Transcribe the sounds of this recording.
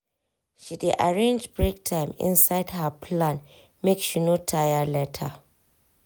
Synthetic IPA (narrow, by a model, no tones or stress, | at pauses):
ʃideʔaɹẽnd͡ʒbɹek̚tʰãɪ̃mɪ̰̃nsaɪdhapʰlãn | mekʃinotʰajalɛtʰa